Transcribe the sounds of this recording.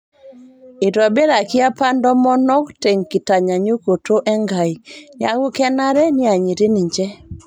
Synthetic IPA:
i˨ɾɔ˨be˦ɾa˨kɪ˦a˦pa˦ndɔ˦mɔ˦nɔ˦ktɛ˨ŋki˨ta˨ɲa˨ɲo˦ko˨to˦ʔɛ˦ŋɡa˨i˨nɪ˦a˦ɣu˦kɛ˦na˦ɾɛ˦nɪ˦a˨ɲi˨ɾe˦ni˨ɲd͡ʒɛ˦

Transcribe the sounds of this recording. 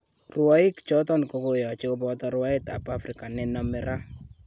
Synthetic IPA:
rwa˦ɪ˦kt͡ʃɔ˦tɔ˦nko˦ko˨jɔ˨t͡ʃe˦ko˦pɔt̪ɔ˦ɾwa˦ɪ˦t̪a̰˨pa˦fɾɪka˨nɪ˨nɔ˨mɪ˨ɾa˦

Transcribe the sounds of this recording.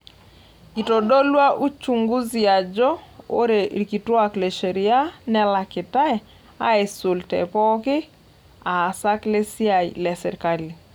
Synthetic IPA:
ki˨to˨do˦lwa˦ʔu˦t͡ʃu˨ŋɡu˦zia˨d͡ʒɔ˦o˦ɾe˨ki˨twa˦kle˨ʃe˨ɾi˨a˦nɛ˦la˨kɪ˨ta˦ɛ˨ | a̰˦e˨su˨ltɛ̰˨pɔ˦kɪ˦ | aː˨sa˦kle˦sja˨ḭ˨lɛ˨sɪ̰˨ɾka˦li˨

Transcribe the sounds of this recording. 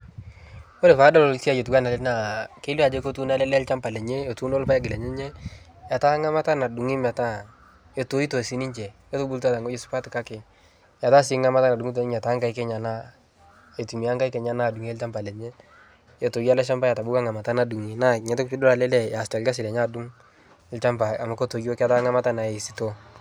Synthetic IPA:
o˦le˨fa˨˦da˦lo˨lsi˦a˦˨je˨tu˨ka˦na˨lɛ˦na˨ke˦la˨d͡ʒe˦ko˦tu˦na˦lɛ˦lɛ˦lt͡ʃa˦mpa˨lɛ˨ɲe˦e˨tu˦no˦lpa˦ja˦ɡɪ˨lɛ˨ɲɛ˦ɲɛ˦ | ja˨ta˦ŋa˦ma˦ta˦na˨du˨ŋi˦ma˨ta˦ | e˨to˨˦i˦to˨si˨˦ni˦ɲt͡ʃɛ˨ | e˦tʊ˦bu˦lta˦ta˨ŋo˦d͡ʒe˦su̥˦pa˦tɪ˨ka˦kɪ˨ | ja˨ta˦s̬ɪ˦ŋa˦ma˦ta˦na˨du˨ŋi˦t̬o˨ni˦ɲa˨ta˨˦ŋka˦jkɛ˦ɲa˨na˦ | e˨tu˨mi˨a˦ŋka˦jkɛ˨ɲa˦naː˦˨du˨ŋe˦lt͡ʃa˦mpa˨lɛ˨ɲe˦ | ɛ˨to˨ɡi˦a˦la˦ʃ̬a˦mba˦ja˨ta˨bʊ˦ka˦ŋa˨ma˨ta˦na˨du˨ŋi˨na˦˨ɲɛ˨˦tɪ˦kpɪ˦dʊ˦la˨lɛ˦lɛ˦ja˨sta˨lɡa˦s̬ɪ˨lɛ˨ɲa˦du˦ŋ˦ | lt͡ʃa˦mpa˨a˨ma˨ko˦to˨ɡo˦ka˦ta˦ŋa˦ma˦ta˦na˨e˨i˨si̥˦to˦

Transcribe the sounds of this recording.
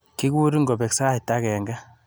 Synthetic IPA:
ki˦ku˦ɾi˦ŋɡɔ˨bɛ˨ksa˦˨i˨ta˦kɛ˨ŋɡa˦

